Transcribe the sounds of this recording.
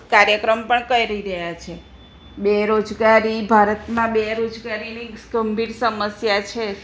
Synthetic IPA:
kaɾjəkɾəmpəɳkəiɾəɦiɾəjat͡ʃʰe | beɾod͡ʒɡaɾibʱaɾət̪mãbeɾod͡ʒɡaɾiniɡ̥ʱəmbʱiɾsəməsjat͡ʃʰe

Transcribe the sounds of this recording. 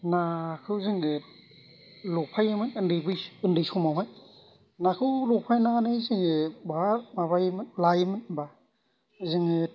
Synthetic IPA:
nakʰɯwzɯŋi | lɔpʰajamɯnɯndɯjbɯjɯndɯjsɔmawɦaj | nakʰɯwlɔpʰajnaanɯjzɯŋebaamabajmlajmɯnba | zɯŋ

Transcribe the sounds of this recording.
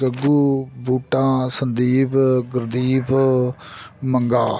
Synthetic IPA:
kəɡuːbuːʈãːsənd̪iːpɡəɾd̪iːp | məŋɡaː

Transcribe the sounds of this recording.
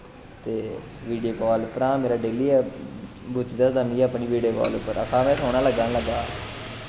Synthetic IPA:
t̪eː | ʋiːɖijoːkɔːlpəɾãːmeːɾaːɖeːliːɛː | bʊt͡ʃd̪əsd̪əmiːəpɳiːʋiːɖijoːkɔ̰ːlʊpːəɾəkʰãːmɛ̃ːsʰoːnaːləɡanləɡaː

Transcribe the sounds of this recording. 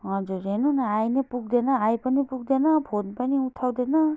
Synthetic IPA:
ad͡ʒɔɾenɔnaajnepuk̚denaːjpanipuk̚d̪enabʰʱonpaniutʰawd̪ena

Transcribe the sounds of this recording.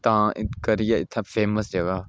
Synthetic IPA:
t̪ãːɪkɐɾijaɪt̪ʰːafʰeːməsd͡ʒɐɡa

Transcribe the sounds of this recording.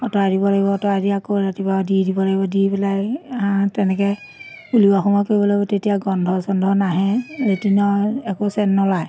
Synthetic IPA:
ɔtɔajdibɔlaɡibɔːtɔajdiakoɹatipadidibɔlaɡibɔdipɛlajãtɛnɛkɛ | uliaxɔmɔjkoɹibɔlaɡibɔtetijaɡɔndʱɔsɔndʱɔnaɦɛɹetinɔɛkosɛnːɔlaj

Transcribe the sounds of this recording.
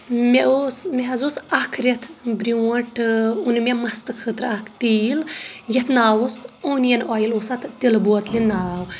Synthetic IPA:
meʔosmeɦɐzosɐkʰɾet̪ʰbɾiwɐʈunmʲemɐst̪ɨkʰɨt̪ɾakʰt̪iljɐt̪ʰnaːwost̪oːnjɐnɔːjilosɐt̪t̪ilbuɐt̪linaːw

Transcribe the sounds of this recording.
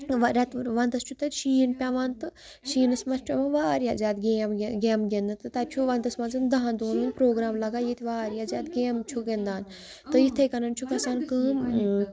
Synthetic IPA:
ʋɾʲɐt̪ʋɐnt̪ɐst͡ʃʰut̪ɐt̪ʃiːnpʲaʋɐnt̪ɨ | ʃiːnɨsmɐst͡ʃʰɐmɐ̃ʋaːɾijazʲaːd̪ɡʲemʲɡʲeːmɡʲend̪ɐt̪ɨt̪ɐt͡ʃʰuʋɐnt̪ɐsmɐnzɨnd̪ɐɦãnd̪oːnunpɾoːɡɾaːmlɐɡaːjit̪ʲiʋaːɾjazʲaːd̪ɡʲeːmt͡ʃʰuɡend̪aːn | t̪ɨit̪ʰekɐnɐnt͡ʃʰukɐsaːnkɨːm

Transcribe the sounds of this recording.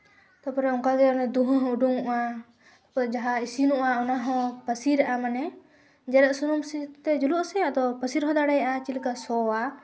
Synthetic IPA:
t̪ɔpɔɾɛɔŋkaɡɛɔnɛd̪uɦɔ̃ɦɔ̃uɖuŋuʔa | t̪ɔ̥pɔɾɛd͡ʒaɦaisinuʔaɔnaɦɔ̃pəsiɾɛʔamanɛ | d͡ʒɛɾɛʔ̪sunumsit̪ɛd͡ʒulɔʔsɛad̪ɔpəsiɾɦɔ̃d̪aɽɛjaʔat͡ʃilikasɔwa

